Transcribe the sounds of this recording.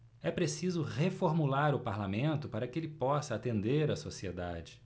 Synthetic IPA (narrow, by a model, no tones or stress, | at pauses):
ɛpɾesizʊhefoɾmulaɾʊpaɾlamẽnt̪ʊpaɾɐkɪelɪpɔsɐːt̪ẽnd̪eɾɐsosied̪ad͡ʒɪ